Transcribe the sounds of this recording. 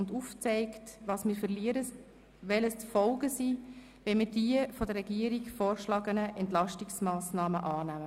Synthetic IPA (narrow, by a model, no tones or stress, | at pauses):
nduft͡sɛɪktʋɑːsmiːɾfərliəɾə | ʋɛləst͡sfɔlɡəsiː | ʋɛmiːɾd̥iəfɔdəɾːɛɡiəɾikfɔːrʃlɑːɡənəʔɛntlɑʃtiksmɑːsnɑːməʔɑːnæmə